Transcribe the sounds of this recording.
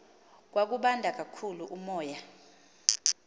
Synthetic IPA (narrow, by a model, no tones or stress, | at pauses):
k̬wak̬uɓandʱak̬ʼakʰuluʔumɔːja